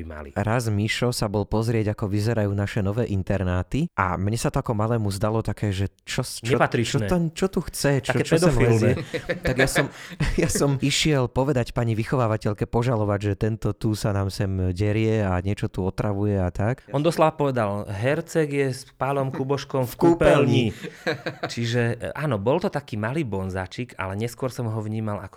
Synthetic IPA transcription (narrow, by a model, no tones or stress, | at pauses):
ima̰lḭɾazmiʃɔsabɔlpɔzɾɪɛɟakɔʋizɛɾajuːnaʃɛnɔʋɛːʔint̪ɛɾnaːt̪iʔa̰mɲɛsat̪ɔakɔmalɛːmuzd̪alɔt̪akɛːʒɛ | t͡ʃɔst͡ʃɛɔpat̪ɾit͡ʃɔnɛɔnt͡ʃɔt̪uxt͡sɛt͡ʃ̪aɔɛt͡ʃɛd̪ɔɛmfilzɛt̪aɡjasɔmjasɔmiʃɪɛlpɔʋɛd̪acpaɲiʋixɔʋaːʋacɛʎkɛpɔʒalɔʋaɟʒɛt̪ɛnt̪ɔt̪usanaːmsɛmɟɛɾɪjɛaɲɪɛt͡ʃɔt̪uɔt̪ɾaʋujɛat̪akɔnd̪ɔslaʋapɔʋɛd̪alɦɛɾt͡sɛɡjɛspalɔmkubɔʃkɔmfkupɛlɲi | t͡ʃiʒɛʔaːnɔbɔlt̪ɔt̪akiːmaliːbɔnza̰ːt͡ʃika̰lɛɲɛskʊɔɾsɔmɦɔʋɲiːmala̰kɔ̥